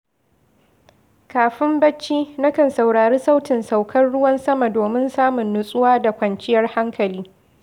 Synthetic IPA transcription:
kaː˨ɸɪ˦mbɐ˦t͡ʃːiː˦na˦kɐ˨nsa˨wɽaː˨ɾeː˦sa˦wtɪ˨nsa˨wkʰɐ˦nɽʊ˦wɐ˦nsɐ˦ma˨doː˨mɪ˦nsaː˦mʊ˨nːʊ˨sʼʊ˦waː˦da˨kʷɐ˨nt͡ʃʼɪ˦jɐ˦rha˦ŋkʰɐ˨liː˦

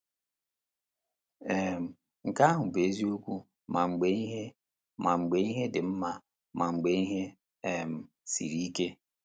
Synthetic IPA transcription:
e˨m̩˨ | ŋ̩˨ka˦ɦʊ˨be˨˦zi˦o˦kʷu˦ | ma˨ŋ͡m̩˨ɡ͡be˨i˦ɦe˦ | ma˨ŋ͡m̩˨ɡ͡be˨i˦ɦe˦dɪ˨m̩˦ma˨ | ma˨ŋ͡m̩˨ɡ͡be˨i˦ɦe˦ | e˨m̩˨ | sḭ˨ɾi˦i˦ke˦

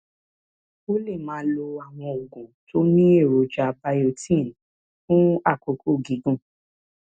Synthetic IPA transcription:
o˦le˦˨mãː˨˦lo˧a˨w̃ɔ̃˧o˨ɡũ˨to˦nĩ˦e˦˨ɾo˨d͡ʒa˧˦ba˧˦jo˧˨tʰĩ˦˨n | fũ˦a˦˨ko˨˦ko˦˨ɡi˨˦ɡũ˦˨

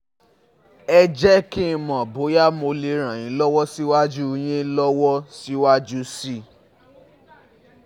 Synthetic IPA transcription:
ɛ˧d͡ʒɛ˦ki˦˧˦mɔ̃˨bo˨˦ja˦mo˧le˨˧ɾ̃ã˨j̃ĩ˨˦lɔ˦wɔ˦si˦wa˦d͡ʒu˦˧j̃ĩ˦lɔ˦wɔ˦si˦wa˦d͡ʒu˦si˦˨

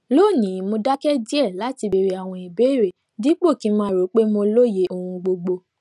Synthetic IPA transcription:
lo˦˨nĩ˨˦˨mo˧da˦kɛ˦di˦ɛ˦˨la˨˦ti˧be˧ɾe˧a˨w̃ɔ̃˧i˨be˨˦˨ɾe˨ | di˦k͡po˦˨ki˦mãː˦ɾo˨˦k͡pe˦mo˧lo˦je˨˦ʔo˧hũ˧ɡ͡bo˧ɡ͡bo˧

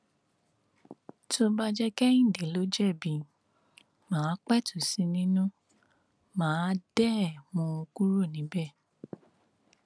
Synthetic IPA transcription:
to˧ba˧d͡ʒɛ˦kɛ˦ĩ˦˨de˨˦lo˦d͡ʒɛ˦˨bĩ˨ | mãː˨˦k͡pɛ˦tu˨sĩ˧nĩ˦nũ˦ | mãː˨˦d̥ɛ˦˨mũ˧o˧ku˦ɾo˦˨nĩ˨˦bɛ˦˨

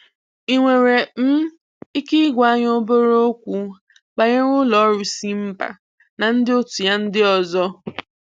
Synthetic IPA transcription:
i˨ŋʷe˨ɾe˨m̩˦ | i˦ki˦ɡʷa˦ɲ˦o˦bo˦ɾo˦o˦kʷu˦ | ɡ͡ba˨ɲe˦ɾʊ˦lɔ˨˦ɾu˨si˦m̩˦pa̰˨ | na˨n̩˦dɪ˦o˦tu˨ja˦n̩˦dɪ˦ɔ˨zɔ˦

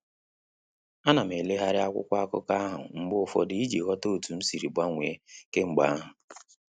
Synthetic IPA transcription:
a˦na˨m̩˨e˨le˦ɦa˦ɾɪ˦a˦kʷʊ̰˦kʷa˦a˦kʊ̰˦ka˦a˦ɦʊ̰˨ŋ͡m̩˦ɡ͡bʊ˦ʊ˨fɔ̰˦dɪ˦i˦d͡ʒe˨ɣɔ˦to˦o˨tu˨n̩˦si˨ɾi˨bʷa˦ŋʷe˨e˦ke˦ŋ͡m̩˨ɡ͡ba˦a˦ɦʊ˨

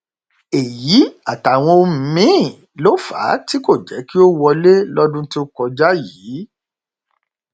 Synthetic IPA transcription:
e˨ji˨˦a˨ta˨w̃ɔ̃˧o˧m̩˧mĩ˦˨ | lo˦fa̰˨˦ti˦ko˦˨d͡ʒɛ˨˦ki˦o˦wɔ˧le˦lɔ˦dũ˦ti˦o˧kɔ˧d͡ʒa˦ji˨˦

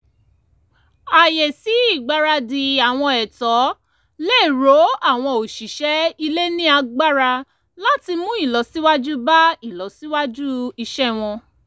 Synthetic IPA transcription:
a˨jɛ˨si˨˦i˦˨ɡ͡ba˨˦ɾa˧di˧a˨w̃ɔ̃˧ɛ˨tɔ˨˦ | le˦˨ɾo˨˦a˦˨w̃ɔ̃˧o˨ʃi˨ʃɛ˦i˧le˦nĩ˦a˧ɡ͡ba˦ɾa˧ | la˦ti˧mũ˦i˦˨lɔ˨si˦wa˦d͡ʒu˦ba˦i˦˨lɔ˨si˨˦wa˦d͡ʒu˦i˧ʃɛ˦w̃ɔ̃˧

